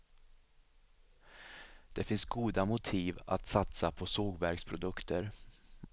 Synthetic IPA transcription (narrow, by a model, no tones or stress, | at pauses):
d̪̥ɛfɪnsɡuːd̪amʊt̪ʰiːva̰t̪sat̪sapʰɔsoːɡvæɾkspʰɾʊd̪ɵkt̪ʰəɾ